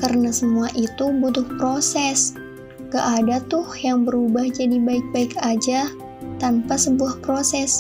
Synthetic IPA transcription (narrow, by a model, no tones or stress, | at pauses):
karənasəmuaʔit̪ubut̪ʊhpɾosɛs | kəʔadat̪ʊhjaŋbəɾubahd͡ʒadibaɪk̚baɪkad͡ʒa | t̪anpasəbuahpɾosɛs